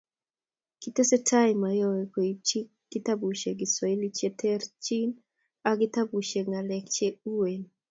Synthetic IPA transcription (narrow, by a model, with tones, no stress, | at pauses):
kit̪e˦se˦tʰa˦ɪmajɔ˦we˨ke˨it͡ʃi˦kɡ̥i˦t̪a˦bu˨ʃe˨ɡi˨sɔ˨e˦li˦t͡ʃe˦tʰɛ˦rt͡ʃi˦n | aɡɪt̪a˦bu˨ʃe˨ŋa˨lɛkt͡ʃe˦u˦wen